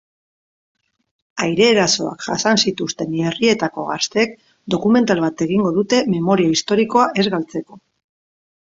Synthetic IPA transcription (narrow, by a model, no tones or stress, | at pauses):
ajɾe̞ːɾaso̞̰a̰kʝa̰sansit̪ust̪e̞nerie̞t̪ako̞̰ɣ̞ast̪e̞ːk̚ | d̪o̞kume̞nt̪alβat̪e̞ɣ̞iŋɡo̞ðut̪e̞me̞mo̞ɾioist̪o̞ɾiko̞aʔe̞zɣalt͡se̞ko̞